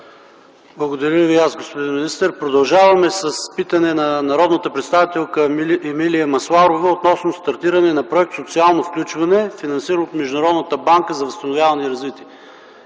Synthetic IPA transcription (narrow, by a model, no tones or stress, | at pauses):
blˠɐɡod̪ɐɾʲjəviasɡospod̪inminist̪ɛɾpɾod̪ɐlˠʒavɐmɛsɐspit̪ɐnɛnɐnɐɾɔd̪nət̪əpɾɛt̪st̪avit̪ɛlˠkəɛmiliɐmɐslˠaɾovəot̪nɔsnost̪ɐɾt̪iɾɐnɛnɐpɾoɛk̚t̪sot̪sialˠnofklʲut͡ʃvɐnɛfinɐnsiɾənot̪mɛʒd̪ʊnɾɔd̪nət̪əbaŋkəzɐvɐst̪ɐnʊvʲjavɐniɾɐzvit̪iɛ